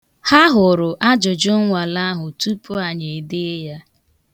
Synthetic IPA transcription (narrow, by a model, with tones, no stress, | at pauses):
ha˦ɦʊ˨ɾʊ˨ʔa˦d͡ʒʊ˨d͡ʒʊ˦ŋʷa˨la˦ɦʊ˨tu˦pʊ˦a˨ɲe˨dɪ˦ja˦